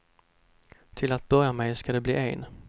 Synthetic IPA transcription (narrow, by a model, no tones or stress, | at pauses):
t̪ʰɪlat̪̚bœɾjamɛjskad̪ɛbliːʔeːn